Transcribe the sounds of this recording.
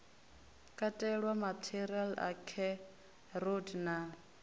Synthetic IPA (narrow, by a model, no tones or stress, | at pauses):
kʼatʼɛɺwamatʰiɾiala̰kʰɛ | rodna